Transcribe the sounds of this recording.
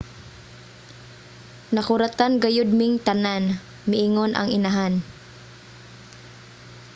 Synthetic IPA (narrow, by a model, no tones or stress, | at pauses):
nɐkʊɾat̪anɡɐjʊd̪̚mɪŋt̪ɐnan | mɪʔiŋonʔɐ̰ŋɪnaɦan